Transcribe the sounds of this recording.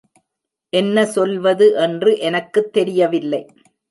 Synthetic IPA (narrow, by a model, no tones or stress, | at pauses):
ʔɛnːɐsɔlʋɐðɯʔɛndrɯʔɛnɐkːɯt̪ːɛɾɪjɐʋɪlːɐɪ